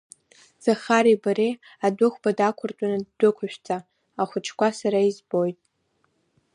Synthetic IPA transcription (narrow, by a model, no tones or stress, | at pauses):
z̥aχaɾibaɾej | adʷʊχʷbadakʷʰʊrt͡ʃʼanaddʷʊkʷʰaʃᶣt͡sʰʼa | aχʷʊt͡ʃʰkʷʰasaɾaizbo̞jtʼ